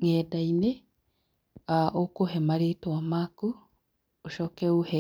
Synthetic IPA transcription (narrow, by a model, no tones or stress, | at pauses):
ŋedaine | aʔokoɦemaɾeːtowamaku | oʃokeuhe